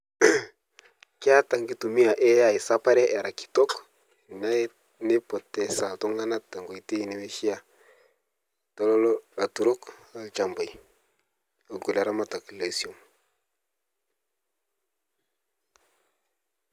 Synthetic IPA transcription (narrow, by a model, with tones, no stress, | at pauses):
ki˦a˦ta˨ŋɡi˦tu˨mi˦a˨ʔe˦ja˨i˨sa˦pa˦ɾe˦ʔe˨ɾa˨ki̥˨to˦k | na˦ | ni˦po˨tːe˨sa˨tu˦ŋa˦na˦ta˨ŋɡo˨i˨te˦˨ni˦we˦ʃi˦ja˦ | to˦lo˦la˨tu˨ɾo˦ka˨t͡ʃa˨mbo˨j | a˨ɡu˨la˨ɾa˦ma˦ta˨kla˨si˨o˨m